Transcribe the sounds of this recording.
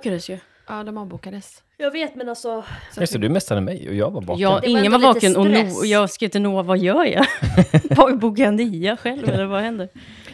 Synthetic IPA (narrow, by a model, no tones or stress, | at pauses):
kːad̪əsjɵ | ʔɑːd̪ɔmɑːvbukad̪əs | jɑːveːt̪mɛnalsɔjɵsɛd̪ɵmɛstːaɾəmɛ̰jɔ̰jɑ̰ːɡvaɾvɑ̰ːjɑɪŋːənvaɾvɑːənɔnuːɔjɑːskɾiːt̪ənuːavajœːɾja̰ | vabuɡaniːaɧɛlvɛlːəɾvahɛnd̪əɾ